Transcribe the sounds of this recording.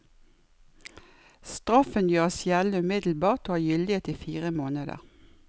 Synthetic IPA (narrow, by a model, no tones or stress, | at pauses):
st̪ʁɑfənjøːʁsjæləʉːmɪd̪l̩bɑːʁt̪oːhɑːjʏld̪ɪeːt̪iːfiːʁəmoːnəd̪ə̰ʁ